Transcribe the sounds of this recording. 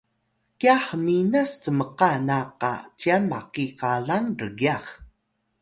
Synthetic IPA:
kiaħəminastəməqanaqa̰t͡ɕiamːaqikaɮaŋrəɡiaχ

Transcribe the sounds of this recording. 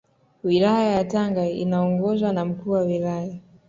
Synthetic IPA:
wilajajataŋɡaḭnaɔŋɡɔzwanam̩kuːwawilaja

